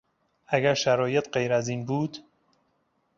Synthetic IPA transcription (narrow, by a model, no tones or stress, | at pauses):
æɡæɾʃæɾɒːje̞t̪ʰɢejɾæziːnbuːd̪